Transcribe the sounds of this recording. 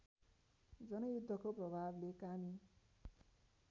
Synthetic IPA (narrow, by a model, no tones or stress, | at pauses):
d͡zʌnʌjud̪ʱːʌkoprʌbʱablekami